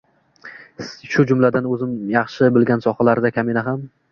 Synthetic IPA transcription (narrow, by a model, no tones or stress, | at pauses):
ʃʊd͡ʒʊmlad̪anɵzɪmjɑχʃɪbɪlɡʲansɒχalaɾd̪akʲʰamenaɦam